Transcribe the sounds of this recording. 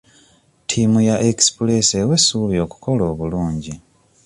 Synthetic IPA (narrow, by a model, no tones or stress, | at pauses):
tʰimujaʔekspule̞sewe̞suβjo̞ːku̥ko̞lo̞ːβuluːɲɟi